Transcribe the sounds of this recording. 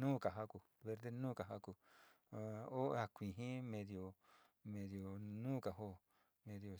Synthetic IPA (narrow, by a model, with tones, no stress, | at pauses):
nũː˦˨ka˨ɦa˦ku˨ | βe˧ɾd̪e˦nũː˦ka˨ɦa˦ku˨ | o˦a˧kʷĩ˨ɦĩ˦mẽ˧ðjo˨ | mẽ˧ðjo˨nũː˦ka˨ɦo˦ | mẽ˧ðjo˨